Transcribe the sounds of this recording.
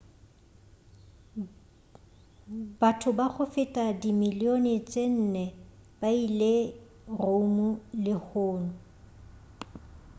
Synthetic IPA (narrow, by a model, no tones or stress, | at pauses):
b̥atʰʊbaχʊfɪtʼadimilionɪt͡sʼen̩ːnɛb̥aile | romʊlɪhʊːnʊ